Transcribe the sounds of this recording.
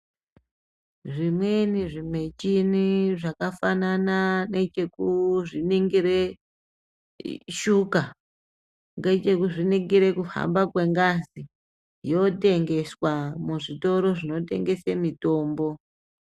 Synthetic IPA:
ʐimweniʐime̞t͡ʃiniʐakafanananet͡ʃe̞kuʐiniŋɡiɾe̞ | ʃuka | ŋɡet͡ʃe̞kuʐiniŋɡiɾe̞kuha̰mbakwe̞ŋɡazi | jo̞te̞ŋɡe̞swamuʐito̞ɾo̞ʐino̞te̞̰ŋɡe̞semito̞ːmbo̞

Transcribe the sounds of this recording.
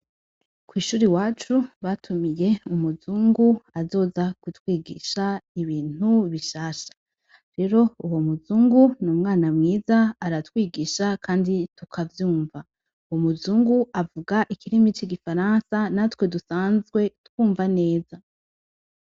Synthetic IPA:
kwiːʃuːɾiwaːt͡ʃuβatʰumije̞umuzuːŋɡuazo̞ːzakutwiːɡḭʃaiβiːn̥uβiʃaːʃḁ | ɾe̞ɾo̞uwomuzuːŋɡunumŋaːnamŋiːzaːɾatwiːɡiʃakʰaːnditukʰavjuːɱva | uwomuzuːŋɡuʔavuɡaʔikʰiɾimit͡ʃiɡifaɾansanatwe̞dusaːnzɡwe̞twuːɱvane̞ːza

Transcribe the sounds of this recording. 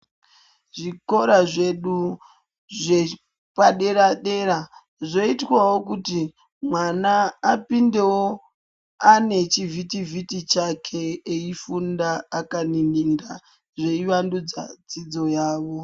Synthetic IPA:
ʐiko̞ɾaʐe̞ɗu | ʐe | paɗeɾaɗe̞ɾa | ʐo̞itwawo̞k̬uti | mwanaːpinde̞wo | ane̞t͡ʃivitivitit͡ʃakʰe̞ːifundaːkaniniŋda | ʐe̞iʋandud͡za̰d͡zid͡zo̞jaːʋo̞

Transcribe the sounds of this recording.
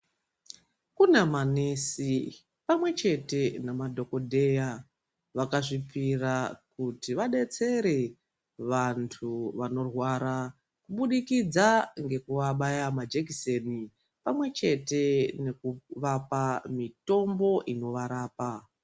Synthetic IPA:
kunamanesi | pamwe̞t͡ʃe̞te̞namadʱo̞ko̞dʱe̞ja | ʋakaʐipirakutiʋaɗe̞t͡se̞ɾe̞ | ʋantʰuʋano̞rwaɾa | kuɓuɗikid͡zaŋɡe̞kuʋaɓajamad͡ʒekiseni | pamwe̞t͡ʃe̞te̞nekuʋapamito̞mbo̞ʔino̞ʋaɾaːpa

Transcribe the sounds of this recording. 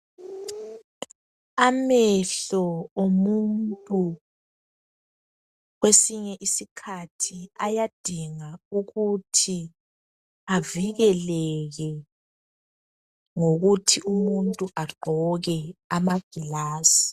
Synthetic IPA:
amɛɬɔomuntʼu | ɣwesiɲɛʔisikʰatʰiajad̥ʱiŋauɣutʰi | aviɣɛlɛɣɛ | ŋoɣutʰiʔumuntʼuʔaɡ͡ǃʱɔɣɛamaɡ̥ʱilaːsi̥

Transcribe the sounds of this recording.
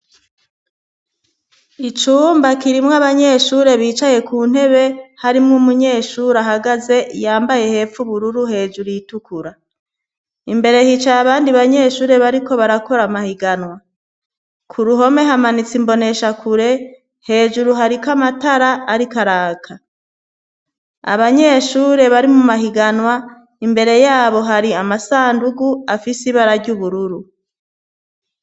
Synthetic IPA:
it͡ʃuːmbakiɾimŋaβaɲe̞ʃuːɾe̞βiːt͡ʃaje̞kuːn̥he̞βe̞haɾimŋumuɲe̞ːʃuːɾaɦaɡaze̞jaːmbaje̞he̞ːfuβuɾuɾuhe̞ːʒuɾuitukuɾa | imbe̞ɾe̞hit͡ʃajaβaːndiβaɲe̞ːʃuːɾeβaɾiko̞βaɾako̞ɾamahiɡanwa | kʰuɾuɦo̞me̞ɦamanit͡simbo̞ne̞ʃakuɾe̞ | he̞ːʒuɾuɦaɾikamataɾaːɾikaɾaːkʰa | a̰βaɲe̞ʃuːɾe̞βaɾimumaɦiɡanwa | imbe̞ɾe̞jaːβo̞ɦaɾiamasaːnduɡuafisiβaɾaɾɟuβuɾuɾu

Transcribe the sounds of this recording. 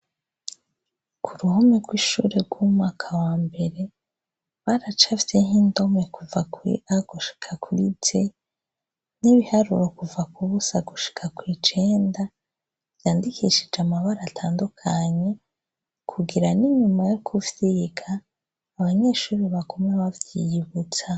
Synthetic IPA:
kʰuɾuhomeɡwiʃṵɾeɾɡ̥wumwaːkʰawaːmbe̞ɾe̞ | βaɾat͡ʃavjehindo̞mekuvakwḭʔaɡuʃi̥kʰakʰwḭd͡ʒe | niβihaɾṵɾo̞kuvakuβusaɡuʃi̥kʰakwiːt͡ʃe̞ːnda | vjaːndikʰiʃid͡ʒamaβaɾaːtʰaːndukʰaɲe̞ | kʰuɡiɾaniɲumajokʰuvjiɡʰaː | βaɲe̞ːʃuːɾiβaɡo̞maβavjiβut͡sa

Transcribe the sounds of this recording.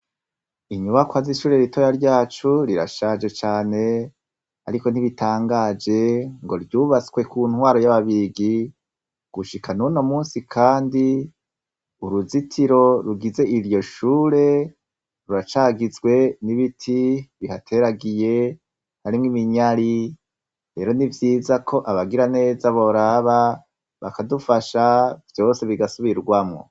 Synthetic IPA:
iɲuβakwaziʃuːɾe̞ɾito̞jaɾɟaːt͡ʃuɾiɾa̰ʃad͡ʒe̞t͡ʃaːne̞ | a̰ɾiko̞n̥iβitʰaːŋɡaːd͡ʒe̞ŋɡo̞̰ɾɟuβat͡swe̞kuːn̥hwaːɾo̞jaβaβiɡi | ɡ̥uʃikʰanuno̞muːsikʰaːndi | uɾuzitʰiɾo̞ɾuɡize̞ʔiɾjo̞ʃuːɾe̞ | ɾuɾat͡ʃaɡizɡwe̞niβitʰiβihatʰe̞ɾaɡije̞ | haɾimwimiɲaɾi | ɾe̞ːɾo̞nivjiːzakʰo̞ʔaβaɡiɾane̞ːzaβo̞ɾaβa | βa̰kadufaʃavjo̞ːse̞βiɡasuβiɾɡwamŋo̰

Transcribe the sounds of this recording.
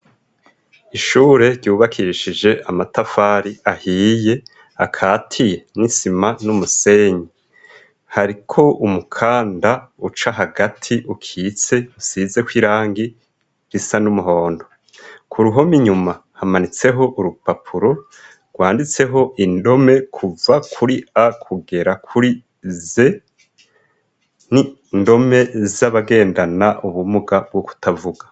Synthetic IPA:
iʃuːɾe̞ɾɟuːβakʰiɾʃid͡ʒe̞ʔamatafaːɾiʔahiːje̞ | akʰaːtʰije̞nisimanumuse̞ɲi | haɾikʰo̞umukʰaːndaut͡ʃaɦaɡatʰiʔukʰiːt͡se̞usize̞kwiɾaːŋɡi̥ | isanumuɦo̞ːndo̞ | kʰuɾuɦo̞miɲumahamanit͡se̞ɦo̞ʔuɾupapʰuɾo̞ | ɡ̥waːndit͡se̞ɦo̞ʔindo̞me̞kʰuvakʰuɾiakʰuɡe̞ɾakʰuɾi | ze̞ | ni | ndo̞me̞zaβaɡe̞ːndanaʔuβumuɡab̚ɡoku̥tʰavuɡḁ

